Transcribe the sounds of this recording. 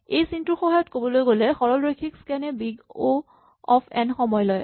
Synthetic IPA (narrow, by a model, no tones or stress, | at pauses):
ejsintuɹxɔɦajɔtkobɔlojɡolɛxɔɹɔlɹokʰikskɛnɛbiɡo | ɔpʰɛnxɔmɔjlɔj